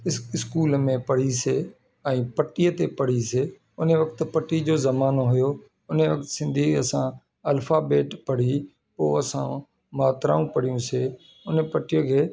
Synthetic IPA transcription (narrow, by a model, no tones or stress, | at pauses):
ɪɪskuːlmẽpəɽ̤iseː | ɛ̃ːpəʈijət̪epəɽ̤iseː | ʊneʋəkt̪pəʈiːd͡ʑoːzəmaːnoɦʊjoː | ʊneʋək̚t̪sɪ̃nd̪ʱiːəsãː | əlfʰaːbeːʈpəɽ̤i | poːəsã̰ː | maːt̪ɾa̰ːũːpəɽ̤ijũːseː | ʊnepəʈɪjəkʰeː